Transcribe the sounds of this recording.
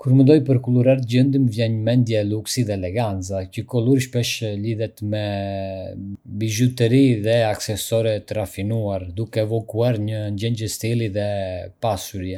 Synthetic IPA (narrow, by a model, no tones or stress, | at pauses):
kuɾmənd̪ɔjpəɾkuluɾaɾt̪əɟənd̪imvjɛɲmɛnd̪jɛɛluksiðɛlɛɡant͡sacəkɔlˠuɾʃpɛʃliðɛt̪mɛ | biʒut̪ɛɾiðɛaksɛsɔɾɛt̪əɾafinuaɾd̪ukɛɛvɔkuaɾɲəɲd͡ʑɛɲcəst̪iliðɛpasuɾjɛ